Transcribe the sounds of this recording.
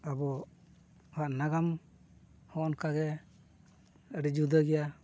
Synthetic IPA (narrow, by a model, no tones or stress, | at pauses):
abɔ | haʔnaɡam | hɔɔnkʰaɡɛ | əɾɛd͡ʒud̪əɡija